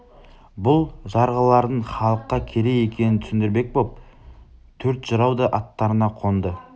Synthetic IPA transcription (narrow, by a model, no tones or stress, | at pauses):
bʊlˠʒɑɾʁəlˠɑɾd̪əɴχɑlˠəqːɑkʲʰe̞ɾe̞je̞kʲe̞nɪnt̪ʰʏ̥sɪnd̪ɪɾbe̞k̚bop̚ | t̪ʰɵɾt̪ʒ̥əɾɑwd̪əʔɑt̪ːɑɾənɑqʰo̞nd̪ə